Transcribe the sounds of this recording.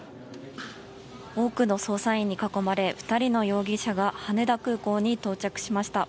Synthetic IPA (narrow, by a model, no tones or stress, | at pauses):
o̞ːkɯ̟no̞so̞ːsaĩɲ̟ːikako̞maɾe̞ɸɯ̟̥t̪aɾʲino̞jo̞ːɡʲiɕaɡahane̞d̪akɯ̟ːko̞ːɲ̟it̪o̞ːt͡ɕakɯ̟̥ɕimaɕi̥t̪a